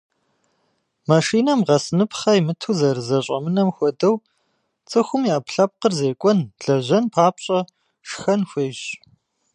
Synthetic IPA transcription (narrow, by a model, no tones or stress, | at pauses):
maʃiːnɐmʁɐsɨnɨpʰχɐjmɨtʰuzɐrɨzɐɕʼɐ̰mɨnɐmxʷɔdɐw | t͡sʼɨxʷʊmjaːpɬɐp̚qərzeːkʷʼɔnɮɐʑɐnpʰaːpɕʼɐ | ʂxɐnxʷeːɕ